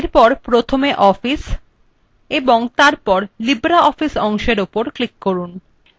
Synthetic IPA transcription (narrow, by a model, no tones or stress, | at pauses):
ɾpɔɾpɾot̪ʰomeʔɔfis | eboŋt̪aɾpɔɾlibɾaʔɔfisɔŋʃeɾopoɾklikːoɾun